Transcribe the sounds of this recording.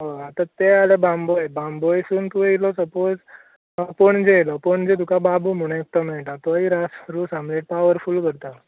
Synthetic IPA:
ɦəat̪at̪ealebambojbambojsuːnt̪uelɔsəpod͡z | poɳd͡zejlɔpoɳd͡ʑet̪̬ukababum̤uɽ̃ek̚t̪ɔm̤ɛɭʈat̪ɔiɾasɾusamleʈ̚paʋəɾfulkəɾt̪a

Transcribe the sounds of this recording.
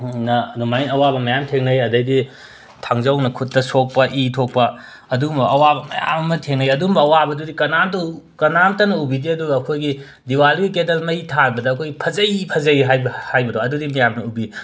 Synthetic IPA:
nɐnumajnɐwabɐmɐjamtʰeŋnɐjɐdɐjdi | tʰaŋzɐwnɐkʰutːɐsok̚pɐʔitʰok̚pɐ | ɐdumbɐʔɐwabɐmɐ̰ja̰mɐmɐtʰeŋnɐjɐdumbɐːwabɐdudikɐnamtɐ | kɐnamtɐnɐubidiɐduɡɐːkʰojɡi | diwalɡikedɐlmɐjitʰanbɐdɐːkʰojɡipʰɐzɐjpʰɐzɐjɦajbhajbɐdoɐdudimɐjamnɐubi

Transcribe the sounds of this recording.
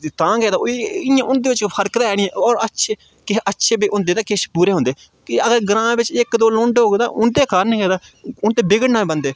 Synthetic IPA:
t̪ãːkɛːd̪aːɪjãːʔʊnd̪eːʋɪt͡ʃpʰəɾkd̪aːɛːɽiːɛ̃ːɔːɾətːʃʰeː | kɪətːʃʰeːbiːʔʊ̃nd̪eːt̪aːkɪʃpuːɾeːɦʊ̃nd̪eː | kɪəɡəɾɡəɾãːbɪt͡ʃɪkd̪oːlõːɳɖɦoːɡd̪aːʔʊnd̪eːkaːɾnĩːkɛːd̪aːʊnt̪eːbɪɡəɽnaːiːbənd̪eː

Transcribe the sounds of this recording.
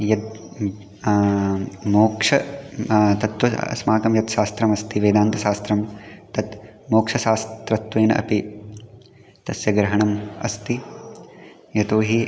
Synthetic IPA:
jɐt̪̚ | moːkʂɐ | t̪ɐt̪wɐɐ̰smaːkɐmjɐt̪ʃaːst̪ɾɐmɐst̪iʋeːd̪aːnt̪ɐʃaːst̪ɾɐmt̪ɐt̪ | moːkʂɐsaːst̪ɾɐt̪weːnɐʔɐ̰pi | t̪ɐsjɐɡɾɐɦɐɳɐmɐ̰st̪i | jɐt̪oːɦi

